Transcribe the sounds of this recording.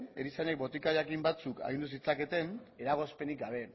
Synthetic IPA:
eɾisanek̚bo̞t̪ikajakimbat͡suka̰ɣ̞ind̪us̬it͡sake̞t̪e̞ne̞ɾaɣ̞o̞spe̞nik̚ɡaβ̞e̞

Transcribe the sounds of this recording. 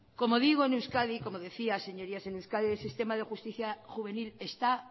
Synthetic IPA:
ko̞mo̞ðiɣ̞oenewskaðiko̞moðe̞θiase̞ɲo̞ɾiasenewskaðielsist̪e̞maðexust̪iθjaxuβ̞e̞nile̞st̪a

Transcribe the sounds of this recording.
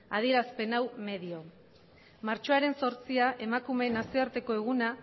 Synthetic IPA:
aðie̞ɾaspe̞nawme̞ðio̞ | maɾt͡ʃo̞aɾe̞nso̞ɾt͡siaʔe̞makume̞nasioaɾt̪e̞ko̞e̞ɣ̞una

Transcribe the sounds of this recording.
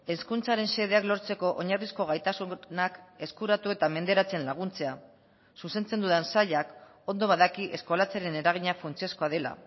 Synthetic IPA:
e̞skunt͡saɾe̞nse̞ð̞e̞aklo̞ɾt͡se̞ko̞ʔoɲarisko̞ɣ̞ajt̪asunake̞skuɾat̪ue̞t̪ame̞nd̪e̞ɾat͡se̞nlaɣ̞unt͡se̞a | suse̞nt͡se̞nd̪uðensaʎak | o̞nd̪o̞βaðakiʔe̞sko̞lat͡saɾe̞ne̞ɾaɣ̞iɲafunt͡siosko̞aðe̞la̰

